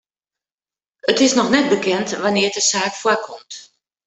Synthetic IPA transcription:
ətɪsnɔxnɛt̚bəkʰɛntʋanɪətəsaːkfwakʰɔmt

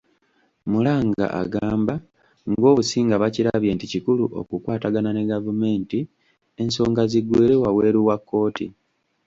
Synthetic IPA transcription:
mulaːŋɡa̰ʔa̰ɡaːmba | ŋɡo̞ːβusiːŋɡaβaciɾaβje̞ːnticikuluʔo̞̰kukwaːtaɡanane̞ɡavume̞ːnti | e̞nso̞ːŋɡaziɡweːɾewawe̞ːɾuwakːo̞ːtḭ

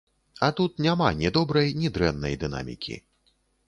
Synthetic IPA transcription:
ɐt̪ut̪̚nʲamanʲɛd̪ɔbɾɐjnʲid̪ɾɛnːɐ̰jd̪ɨna̰mʲḭkʲʰḭ

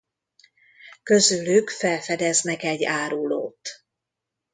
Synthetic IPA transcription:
kø̞zylykfɛlfɛd̪ɛznɛkɛɟːaːɾulo̰ːt̪

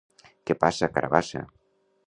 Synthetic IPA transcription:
kepasakaɾa̰βasa̰

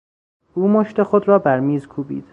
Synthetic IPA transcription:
ʔuːmoʃt̪e̞xod̪ɾɒːbæɾmiːzkʰuːbḭːd̪̥

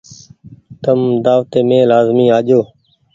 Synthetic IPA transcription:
t̪əmd̪aːʋt̪eːmẽːlaːzmiːaːʄoː

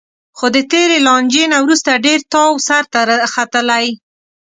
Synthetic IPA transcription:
xod̪ət̪eɾelɑnd͡ʒenawɾust̪aɖeɾt̪ɑwsaɾt̪axat̪əlaj

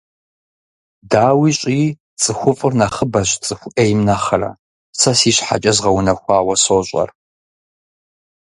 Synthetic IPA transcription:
daːwiːɕʼiː | t͡sʼɨxʷʊfʼɨrnɐχəbɐɕt͡sʼɨxʷʊʔejmnɐχɐrɐ̰ | sɐsiːɕħa̰t͡ʃʼɐzʁɐwnɐxʷɑːwɐsoɕʷʼɐ̰r

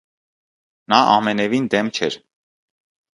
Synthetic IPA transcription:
nɑʔɑ̰mɛnɛvind̪ɛmt͡ʃʰɛɾ

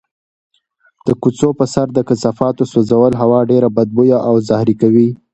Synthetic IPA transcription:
d̪̥əkut͡sopəsaɾd̪əkasɑfɑt̪osozawəlɦawɑɖeɾabad̪̚bujaʔawzahɾikawi

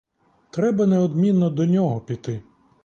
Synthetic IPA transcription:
t̪ɾɛbɐnɛɔd̪mʲinːɔd̪ɔnʲɔɦɔpʲit̪ɪ

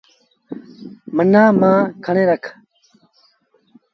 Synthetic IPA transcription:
mənãːmãːkʰɐɽẽːɾəkʰ

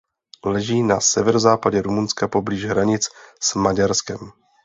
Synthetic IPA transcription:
lɛʒiːnasɛvɛɾozaːpaɟɛɾumunskapo̞bliːʒɦɾaɲɪt͡ssmaɟaɾskɛm

